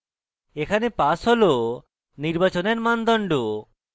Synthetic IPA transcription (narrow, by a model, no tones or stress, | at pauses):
ekʰanepasɦolo | niɾbat͡ʃoneɾmand̪ɔɳɖo